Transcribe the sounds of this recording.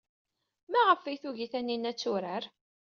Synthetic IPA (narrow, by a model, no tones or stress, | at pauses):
mæʁəfijθuʝiθænːinːæt͡sːʊɾəɾ